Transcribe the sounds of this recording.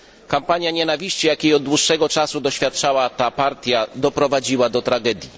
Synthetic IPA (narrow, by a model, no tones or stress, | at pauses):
kampaɲjaɲɛnavʲiɕt͡ɕijakʲejɔd̪̚d̪wuʂːɛɡɔt͡ʂasud̪ɔɕfʲjat̪̚t͡ʂawat̪apaɾt̪ʲjad̪ɔpɾɔvad͡ʑiwad̪ɔt̪ɾaɡɛd̪ʲji